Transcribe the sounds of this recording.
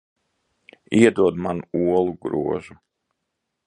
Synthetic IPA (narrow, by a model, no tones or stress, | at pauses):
iɛd̪uɔd̪manuuɔlˠuɡɾuɔʒu